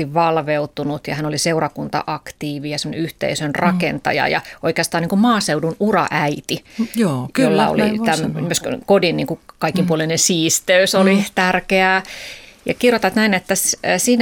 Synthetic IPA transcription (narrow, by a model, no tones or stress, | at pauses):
iʋʋɑlʋeut̪unut̪jɑ̰hænoliseurɑkunt̪ɑ̰ʔɑkt̪iːʋijɑsemonḛyht̪ḛisønrɑkent̪ɑ̰jɑ̰jɑ̰oikeɑst̪ɑːniːŋkummɑːseudunurɑ̰ʔæit̪iojollːɑo̰lḭt̪æmnimøskodinnḭːŋkukɑikːˑimpuolenensiːst̪øysolit̪ærkeæːjɑ̰kirjot̪ɑʋt̪næinet̪ːæssiːn